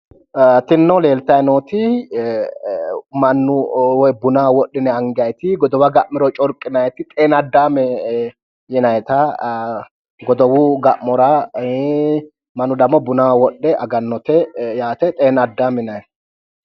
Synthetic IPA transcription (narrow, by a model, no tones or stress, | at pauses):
t̪ɪnːɔle̞ːlt̪ɐjɛnoːt̪ɪ | mɐnːʊwɔjbʊnawɔɗːɪnɛɐŋɡɐjt̪ɪɡɔd̪ɔwɐɡɐʔmːɪɾɔt͡ʃʼɔɾkʼːɪnɐjɛt̪ɪt̪ʼeːnɐd̪ːaːmɛ | jɪnɐjɛt̪ɐ | ɡɔd̪ɔwuɡɐʔmɔɾɐ | mɐnːʊd̪ɐmːɔbʊnawwɔɗːɛʔɐɡɐnːɔt̪ɛjaːt̪ɛt̪ʼeːnɐd̪ːaːmɪnɐjɛ